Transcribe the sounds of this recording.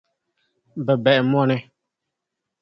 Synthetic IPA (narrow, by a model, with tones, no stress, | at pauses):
bɛ˨bɛ˨ʔɛ˨m˦ɔ˦˨nɛ˨